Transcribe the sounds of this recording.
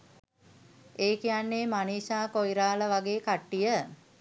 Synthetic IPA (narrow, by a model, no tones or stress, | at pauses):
eːkijanːeːmaniːsaːkojɾaːləʋaɡeːkaʈːijə